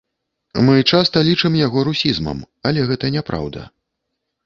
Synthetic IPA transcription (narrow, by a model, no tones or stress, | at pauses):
mɨt͡ʂast̪ɐlʲit͡ʂɨmjaɣɔɾusʲizmɐ̰m | ɐlʲɛɣɛt̪ɐnʲɛpɾa̰wd̪ɐ̰